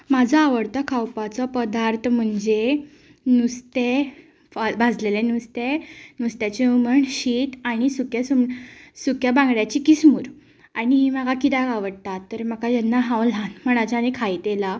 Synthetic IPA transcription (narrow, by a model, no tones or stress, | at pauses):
mad͡zʱaːʋəɽt̪akʰawpat͡sɔpəd̪aɾt̪ʰm̤əɳd͡ze | nust̪e | abad͡zlelenust̪enust̪jat͡ɕiuməɳɕiːt̪aɽ̃isukjasusukjabãŋɡɽjat͡ɕikismuːɾ | aɽ̃iɦiːmakakit̪akaʋəɽt̪at̪ːəɾməkad͡ʑanːaɦãwl̤ãnm̤əɽ̃at͡ɕanikʰait̪ela